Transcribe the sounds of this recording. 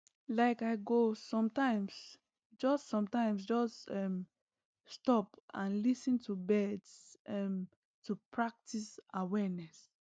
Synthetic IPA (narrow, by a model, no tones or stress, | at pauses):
laɪkaɪɡosɔ̃mtãɪ̃ms | d͡ʒɔstsɔ̃mtãɪ̃ms̬d͡ʒɔstɛm | stɔpãnlisɨ̃ntʰubɛdsɛm | tʰupʰɹak̚tʰisawɛnɛs